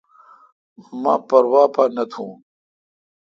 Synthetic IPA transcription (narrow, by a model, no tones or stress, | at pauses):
mɐpɐɾwaːpʰanɐt̪ʰũː